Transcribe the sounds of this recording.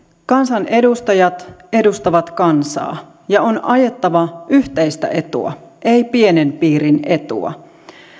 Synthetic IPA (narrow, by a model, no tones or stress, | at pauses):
kɑnsɑnʔe̞dust̪ɑjɑt̪e̞dust̪ɑʋɑt̪kɑnsɑ̰ː | jɑo̞nʔɑje̞t̪ːɑʋɑʔyht̪ejst̪æ̰ʔe̞t̪ṵɑ̰ʔe̞jpie̞nempiːɾinʔet̪ṵɑ̰